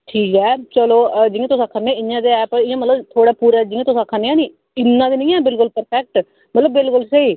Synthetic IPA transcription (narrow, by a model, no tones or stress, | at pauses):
ʈʰiːkɛːt͡ʃəloːd͡ʒɪẽːt̪ʊsakʰanːẽːɪjãːd̪eːɛːpɪjãːmət̪ləbt̪ʰoːɽaːpuːɾaːd͡ʒɪ̃ẽːt̪ʊsakʰaːneːãːniː | ɪnːãːd̪iːnĩːɛːbɪlkʊlpəɾpʰɛk̚ʈ | mət̪ləbːɪlkʊlseiː